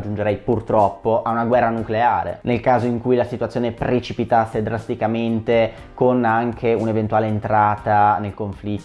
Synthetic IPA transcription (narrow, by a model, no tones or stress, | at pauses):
d͡ʒːund͡ʒeɾɛjpurt̪ɾɔpːoʔaunaɡwɛrːanukleaːɾḛnelkaːzoiŋkujlasit̪uat̪sjoːnepɾet͡ʃipit̪asːed̪ɾast̪ikament̪e | konaŋkʰeunevent̪uaːleːnt̪ɾaːt̪anelkoɱfli